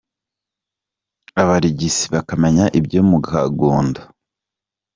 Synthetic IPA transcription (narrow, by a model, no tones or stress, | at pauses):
aβaɾiɟisi̥βakameɲaʔibɟoːmuɡhaɡoːnda